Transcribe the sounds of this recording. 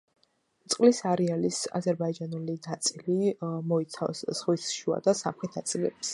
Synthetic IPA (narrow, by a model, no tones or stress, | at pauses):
t̪sʼqʼlisaɾialisa̰zɛɾbaid͡ʒanulinat̪sʼilimɔit̪sʰa̰vsz̥ʁwisʃua̰d̪asamχɛt̪ʰnat̪sʼilɛ̰ps